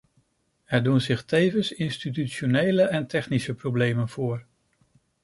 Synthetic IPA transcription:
ɛɹdunzɪχtejvənsɪnstit̬yonejləʔɛntɛχnisəprowblejmənvʊːɹ

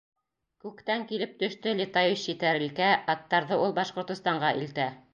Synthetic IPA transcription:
kʉkt̪æŋkilɘp̚t̪ɵ̆ʃt̪ɘlʲit̪ajiʃit̪æɾɘ̆lkæɑt̪ːɑɾðɤʔulˠbɑʃqŏɾt̪ŏst̪ɑɴɢɑʔḭlt̪æ

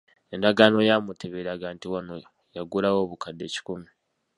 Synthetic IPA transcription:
endaɡano̞jamuteβeɾaɡaːntiwano | jaɡulawo̞ːβukadːe̞̰ːci̥kumi

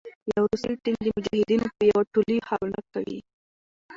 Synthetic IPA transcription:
jawɾusijʈind̪əmʊd͡ʒahɪd̪inopəjawaʈulihalnak̚awḭ

